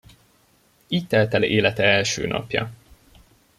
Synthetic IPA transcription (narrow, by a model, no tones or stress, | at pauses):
iːct̪ːɛlt̪ɛleːlɛt̪ɛɛlʃøːnɒ̰pjɒ̰